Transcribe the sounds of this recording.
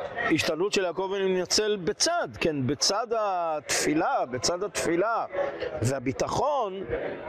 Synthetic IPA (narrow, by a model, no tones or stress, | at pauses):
iʃt̪anutʃelako̞veninat͡selbet͡sad̪kenbet͡sad̪at̪filabet͡sad̪hat̪filavehabit̪aχo̞n